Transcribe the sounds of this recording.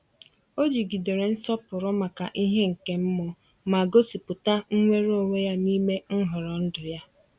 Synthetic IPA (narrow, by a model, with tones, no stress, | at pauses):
o˦d͡ʒi˨ɡi˨do˨ɾe˨n̩˦sɔ˦pʊ˨ɾʊ˦ma˨ka˨ʔi˦ɦe˦ŋ̩˨ke˨m̩˦mʊ˨ | ma˨ɡo˦si˨pʊ˨ta˦ŋ̩˦ŋʷe˦ɾo˨ŋʷe˦ja˦ni˦me˦ŋ̩˦ɦʊ˨ɾɔ˨n̩˦dʊ˨ja˦